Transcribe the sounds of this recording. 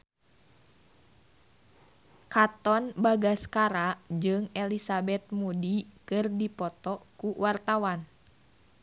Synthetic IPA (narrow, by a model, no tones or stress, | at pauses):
kat̪ɔnbaɡaskaɾad͡ʒɨŋɛlisabɛt̪̚mudikɨrdipɔt̪ɔkuwart̪awan